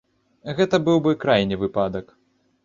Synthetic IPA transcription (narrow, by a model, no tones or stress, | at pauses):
ɣɛt̪ɐbɨwbɨkɾajnʲɛvɨpad̪ɐk